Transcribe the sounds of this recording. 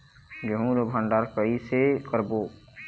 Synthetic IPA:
d͡ʒəɦũɾəbʱə̃ɳɖaːɾkəisekəɾboː

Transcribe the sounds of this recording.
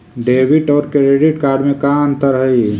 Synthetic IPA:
ɖeːbiʈɔːɾkɾeɖiʈkaːɾɖmẽkaːnt̪əɾɦəi

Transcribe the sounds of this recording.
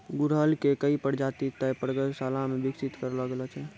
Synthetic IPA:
ɡuɾɦəlkekəipəɽd͡ʒat̪it̪əpəɾɡəsalamebiksit̪kəɾləɡelɔt͡ʃʰɛ

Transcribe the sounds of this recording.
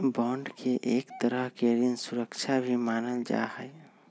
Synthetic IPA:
bɔ̃ːɳɖkʰeʔeːkt̪əɾəɦkeɾinsuɾəkt͡ʃʰabʱimaːnəld͡ʒa̰həe

